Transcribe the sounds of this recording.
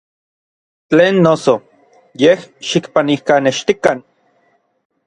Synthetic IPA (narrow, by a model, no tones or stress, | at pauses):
t͡ɬeːnːoso | jehʃikpanihkaneʃt̪ikan